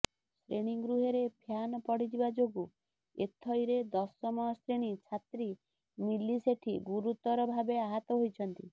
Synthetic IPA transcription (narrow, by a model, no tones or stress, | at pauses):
sɾeɽ̃iŋɡɾuɦeɾebʱjanɔpɔɽid͡ʒibad͡ʒoɡu | ḛt̪ʰːɔjɾed̪ɔsːɔmɔjɔsɾeɽ̃it͡ʃʰat̪ɾi | miliseʈʰiɡuɾut̪ɔɾɔbʱabeaɦat̪ɔɦojt͡ʃʰɔnt̪i